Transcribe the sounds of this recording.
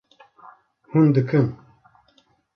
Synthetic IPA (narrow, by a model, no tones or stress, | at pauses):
hund̪ɨkʰɨn